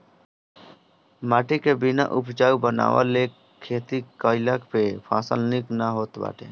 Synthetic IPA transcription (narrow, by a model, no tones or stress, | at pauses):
maːʈikebɪna̰ʔʊpʰt͡ʃaːubəna̰ːwa̰le | kʰːeːt̪ikəːɪlakpepʰaːsəlnɪknaɦoːt̪ba̰ːʈʰḛ̃ː